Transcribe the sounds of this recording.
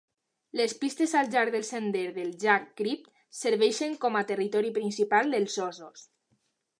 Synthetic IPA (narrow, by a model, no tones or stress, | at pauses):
lespist̪ezalˠʒaɾðelˠsend̪eɾðelˠʒakːɾip̚t̪ | seɾβɛʃeŋkɔmat̪erit̪ɔɾipɾinsipalˠd̪elˠzɔzos